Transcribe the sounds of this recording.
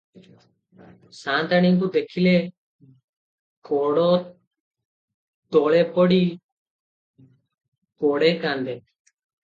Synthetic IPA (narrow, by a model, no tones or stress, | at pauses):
sãnt̪aɽ̃iŋkud̪ekʰile | kɔɽɔ | t̪ɔɭɛpɔɽi | kɔɽɛkand̪ɛ